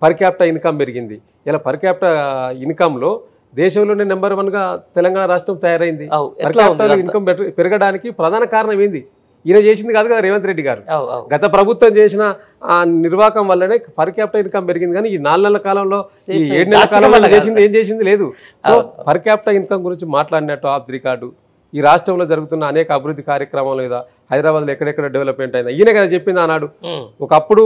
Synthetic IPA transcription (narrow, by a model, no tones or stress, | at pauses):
pʰɐɾkjaːp̚ʈɐinkɐmpe̞ɾiɡind̪i | ilaːpʰɐɾkjaːp̚ʈɐinkɐmlo̞ː | d̪ɛːʃɐmlo̞ːneːnembɐɾʋɐnɡaːt̪ɛlɐŋɡaːɳɐɾaːʂʈɾɐmt̪ɐjaːɾɐjind̪ipɐɾaːʈɐoinkɐmpeɾɐɡɐɽaːnikipɾɐd̪ʱaːnɐkaːɾɐɳɐmend̪i | ilɐːt͡ʃe̞ːs̬ind̪ikaːd̪uɡɐd̪ɐɾeːʋɐnt̪ɾe̞ɖːiɡaːɾṵɡɐt̪ɐpɾɐbʱut̪ʋɐmt͡ʃe̞ːs̬inɐ | niɾʋaːkɐmʋɐlːɐneːpʰɐɾkjaːp̚ʈɐinkɐmpe̞ɾiɡind̪ikaːniinaːlunɛlːɐkaːlɐmlo̞ː | ieːɽunɛlːɐkaːlɐmlːt͡ʃeːs̬ind̪ieːmt͡ʃeːs̬ind̪ile̞ːd̪u | so̞ːpʰɐɾkjaːp̚ʈɐinkɐmɡuɾiɲt͡ʃimaːʈlaːɽinɐʈːuaːp̚d̪ɾikaːɾɖu | iːɾaːʂʈɾɐmlo̞ːd͡ʒɐɾuɡut̪unːɐːnɛːkɐːbʱiɾud̪ʱːikaːɾjɐkɾɐmaːlɐmiːd̪ɐ | hɐjd̪ɾaːbaːd̪lːɛkːɐɽɐɛkːɐɽɐɖiʋelɐpmeɳʈɐjind̪ɐjineːkɐd̪ɐt͡ʃepːind̪aːnaːɽuɔkɐɐpːuɽu